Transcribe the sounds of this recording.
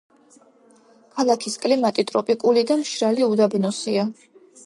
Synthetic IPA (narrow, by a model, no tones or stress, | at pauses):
kʰalˠakʰiskʼlimat̪ʼit̪ʼɾɔpʼikʼulid̪amʃɾaliud̪abnɔsia